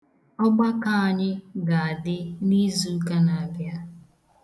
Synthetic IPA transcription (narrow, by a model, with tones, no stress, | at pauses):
ɔ˦ɡ͡ba˦ka˦a˨ɲɪ˦ɡa˨a˨dɪ˦ni˦zu˦ka˦na˨bja˦